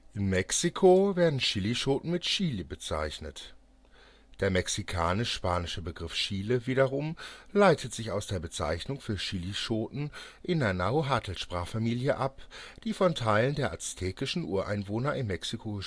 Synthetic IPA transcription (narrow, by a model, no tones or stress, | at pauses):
ʔɪmːɛksikʰoveːɐdn̩ʃiliʃoːtn̩mɪtʃiːlibət͡sa̰ɪçnət | d̥eːɐmɛksikʰaːnɪʃʃpaːnɪʃəbəɡʁɪfʃiːləviːɾɐʁʊmlaɪtʰətz̥ɪçaʊsd̥eːɐbət͡sa̰ɪçnʊŋfyːɐʃiːliʃoːtn̩ | ʔɪnɐnaoɦaːtʰl̩sʃpʁ̥aːχfamiːljəʔapd̥iːfɔntʰaɪləndeːɐʔastʰɛːkɪʃn̩ʔṵːɐʔa̰ɪnvoːnɐɪmːɛksikʰo